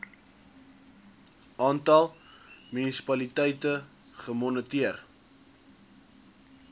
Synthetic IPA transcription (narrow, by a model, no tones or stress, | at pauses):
ʔɑːntɐlˠmynisi̥pɐlitɛjtə | χəmɔnətiər